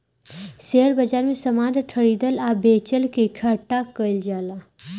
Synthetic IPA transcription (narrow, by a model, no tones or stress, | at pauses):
seːəɽbɐd͡ʒaːɾmẽsɐmaːd̪ʈʰəɽiːd̪əlaːbeːt͡ʃəlkekʰaʈːakəɪld͡ʒaːlaː